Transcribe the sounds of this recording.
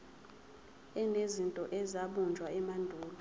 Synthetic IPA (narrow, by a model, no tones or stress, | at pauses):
ɛnezintʼɔʔɛzaɓund͡ʒʱwaɛmandʱuːlu